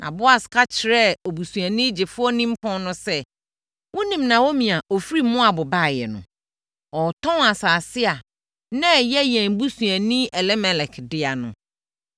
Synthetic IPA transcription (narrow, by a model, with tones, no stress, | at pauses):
nʔã̰˨bʊ˦a˨skʰa˦t͡ɕʰɪ˨ɾɛ˦ɔ˨bu˨sũ˨æ˨nĩ˦d͡ʑɪ˨fʊ˦ɔ˦nĩ˦m̩˦pʰɔ̃˦nʊ̃˦sɛ˦ | wʊ̃˦nĩ˨mnã˨wo˦mĩ˨a˨ʔɔ˨fɾi˦mʊ̃˦a˨bʊ˨ba˦˨jɛ̰˨nʊ̰̃˨ | ɔ˨tʰɔ̃˦na˨saː˨sɪ˦a˨ | nɛ̃˦˨jɛ˦jɛ̃˨m˨bu˦sũ˨æ˨nĩ˦ʔɛ˨lɛ˦mɛ˨lɛ˨kʰdɪ˦a˨nʊ̰̃˨